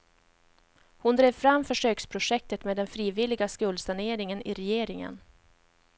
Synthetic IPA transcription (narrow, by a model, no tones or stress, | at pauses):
hʊnd̪ɾeːvfɾamːfœʂøːkspʰɾʊʂɛk̚t̪ət̪meːd̪ɛnfɾiːvɪlɪɡaskɵld̪saɳeːɾɪŋənʔɪɾɛjeːɾɪŋə̰n